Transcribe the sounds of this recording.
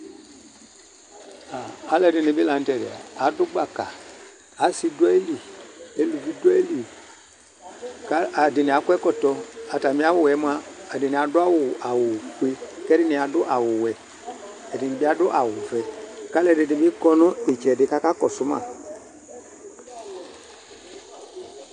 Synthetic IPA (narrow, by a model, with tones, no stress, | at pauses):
aː˨˦lɛ˨dɪ˨nɪ̃˨bi˦la˨n̩˦tɛ˨ɾɪ˨a̰˨a˨˦dʊ˦ɡ͡ba˨kaː˨˦ | si˦du˦a˦e˦li˨e˦lu˨vi˦du˦a˦e˦li˨ | ka˦a˨dɪ˨nɪ˨a˨˦kɛ˦kɔ˦tɔ˦a˨ta˨mĩ˦a˦wʊ˦˨wɛ˨˦m˦aː˦˨dɪ˨nɪ˨a˨dʊ˦a˦wʊ˨ʔa˨wʊ˨kwe˦kɛ˦ɾɪ˦nɪ˨a˨dʊ˦ʔa˨wʊ˨wɛ˨ | ɛ˨dɪ˨nɪ˨bi˦a˦dʊ˦ʔa˨wʊ˨fɛ˨ka˦lɛ˨dɪ˨dɪ˨bi˦kɔ˦nʊ̃˦ɪ˨t͡ʃɛ˨dɪ˨˦ka˦ka˦kɔ˨sʊ˦ma̰˨